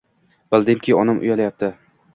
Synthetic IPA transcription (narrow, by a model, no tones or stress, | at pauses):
b̥ɪlˠd̪emkʲʰiɒnɪmʔʊ̰jalajap̚t̪ʰɪ